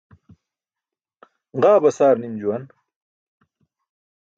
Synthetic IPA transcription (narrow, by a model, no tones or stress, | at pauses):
ʁaːbɐsaːɾnimd͡ʑuwɐn